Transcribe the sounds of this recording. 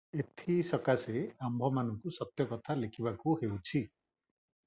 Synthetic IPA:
et̪ʰisɔkaseambʱɔmanɔŋkusɔt̪jɔkɔt̪ʰalekʰibakuhewt͡ʃʰi

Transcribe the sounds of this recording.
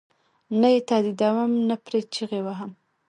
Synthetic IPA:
najet̪ɑd̪id̪awəmnapɾet͡ʃiɣewaɦam

